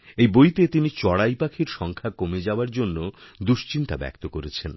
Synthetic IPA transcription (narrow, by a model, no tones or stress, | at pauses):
ejbojt̪et̪init͡ɕɔɽajpakʰiɾʃɔŋkʰakomed͡ʑaoaɾd͡ʑonːod̪uʃt͡ɕint̪abɛ̰k̚t̪okoɾet͡ɕʰen